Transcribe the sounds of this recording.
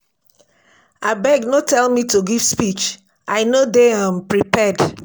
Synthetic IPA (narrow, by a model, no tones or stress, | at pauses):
abɛɡnotɛlmituɡiv̥spit͡ʃ | ʔaɪnodeãmpɹipɛd